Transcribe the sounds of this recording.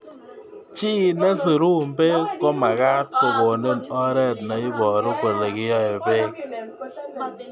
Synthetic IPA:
t͡ʃi˦˨nɛ˦si˨ɾu˦m̩˨be˦kɔ˦ma˨ɣa˦tto˨bɔ˨ne˦˨nɔ˦ɾɛ˦˨t̚na˨i˦bɔ˨ɾi˦kwe˨le˨kɪ˦jɔ˦je˨be˦k̚

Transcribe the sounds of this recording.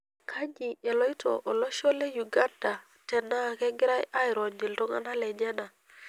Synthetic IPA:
kʰa˦ɲi˨e˨lo˦i˦tʰo̰˨ʔo˨lo˦ʃo˦le˦ju˨ɡa˦nda˨ | te˨na˦˨ke˦ŋɡi˦ɾa˦jʔa˦jɾo˨nd͡ʒi˨lto˦ŋa̰˦na˦le˨ɲe˦na˨

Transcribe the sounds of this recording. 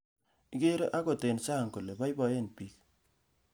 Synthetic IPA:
i˦ke˦ɾe˦ʔa˦ko˨te˨nsa˦˨ŋko˨le˨ba˦i˦bɔ˨je˦npi˦k̚

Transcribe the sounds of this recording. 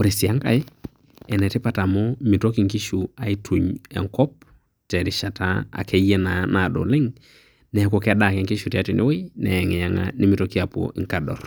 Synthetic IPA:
o˨ɾi˨sɪ˨a˦ŋka̰˨ɪ˦ | ɛ˨nɛ˨tɪ˦pa˦ta˨mɔ˦mɪ˨to˦ki˨ŋkɪ˦ʃu˨a˨i˦tʰu˨ɲɛ̰˨ŋkɔ˦p̚ | tɛ˨ɾɪ˨ʃa˨ta˦a̰˨kʰɛ˦jɛ˦nana˨dɔ̰˨lɪ˦ŋ | nɛ˨ko˨kɛ˦da˦˨kɛ˨ŋkɪ˦ʃu˨tɛ˨a˦tɪ˨nʔɪ̰˦we˦nɛ˨ɛ˨ŋɛ˨ja˦ŋa̰˦nɪ˦mɪ˨to˦ki˦a˨po̰˨ʔɪ˨ŋka˨dɔ̰˨r

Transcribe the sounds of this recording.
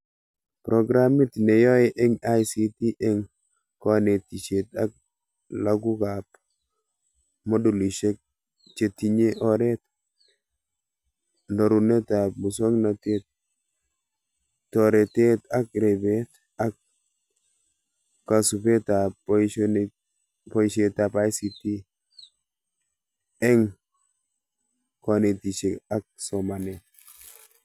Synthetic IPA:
pɾɔ˨ɡɾami˦t̪ne˨jɔ˦e˦ʔɛ˦ŋa˦jsi˦ti˦ʔɛ˦ŋ | kɔ˦ne˨t̪i˨t͡ʃe˨t̪a˦k̚ | laɡu˦ka˨p | mɔ˦du˨li˨ʃe˦k̚ | t͡ʃe˨ti˨ɲe˦ʔɔ˦ɾɛ˦t̪ | ndɔ˨ɾu˨ne˦t̪a˨mu˨sɔ˦ŋna˨te˦t̪̚ | tɔɾɛ˨te˦ta˦k̚ɾebet | a˦k̚ | kːa˨su˨pe˦tapn | pɔ˦iʃetapa˦jsiti˦ | ɛ˦ŋ | kɔ˨ne˨ti˨ʃeka˦k̚sɔmanet̚

